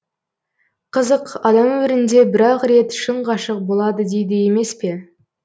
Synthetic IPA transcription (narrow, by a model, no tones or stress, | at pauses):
qʰəzəqɑd̪ɑmɪɾɪnd̪e̞bɪɾɑqɾe̞t̪ʃəɴʁɑʃəq̚bo̞lˠɑd̪əd̪ejd̪ɪje̞me̞spe̞